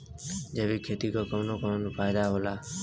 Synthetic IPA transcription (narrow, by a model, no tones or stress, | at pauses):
d͡ʒeʋikʰet̪ikokəmnokəmnʊpajd̪aɦola